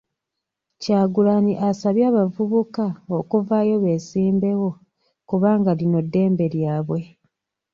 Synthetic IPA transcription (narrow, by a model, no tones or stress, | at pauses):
caːɡulaniʔasaβjaːβavuβukao̞kuvaːjo̞βe̞ːsiːmbe̞wo̞ | kuβaːŋɡalino̞dːe̞ːmbe̞ljaːβwe̞